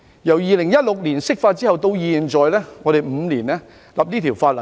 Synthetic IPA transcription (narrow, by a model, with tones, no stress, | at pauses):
jɐ˨˩wjiː˨˧lɪ˨˩ŋjɐ˥t̚lʊ˨k̚liː˨˩nsɪ˥k̚faː˧t̚t͡siː˥hɐ˨wt̪o˧wjiː˨nt͡sɔː˨jlɛː˥ŋɔː˨˧ɾe˨jm̩ː˨˧liː˨˩nlɛː˥ | lɐ˨˩p̚niː˥t̪ʰi˨˩wfaː˧t̚lɐ˨